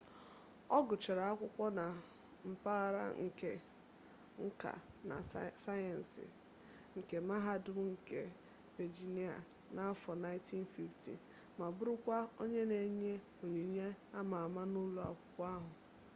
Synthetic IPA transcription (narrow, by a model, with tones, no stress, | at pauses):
ɔ˦ɡʊ˨t͡ʃe˨ɾa˨a˦kʷʊ˦kʷɔ˦na˨ | m̩˨pa˦ɣa˦ɾa̰˦ŋ̩˨ke˦ | ŋ̩˦ka̰˨na̰˨sa˦jɛ˨n̩˨sɪ̰˨ | ŋ̩˨ke˨ma˦ɦa˦dʊ˦ŋ̩˨ke˦ | ve˨d͡ʒi˨ni˦a̰˨ | na˨a˦fɔ˨na˦ɪ˦ti˦n̩˦˨fi˦ftḭ˨ | ma˨bʊ˦ɾʊ˦kʷa˦o˦ɲe˦ne˨ɲe˦ | o˨ɲe˨ɲe˦a˦ma˨a˨ma˦nu˦lu˨a̰˨kʷʊ̥˦kʷa˦ɦʊ˨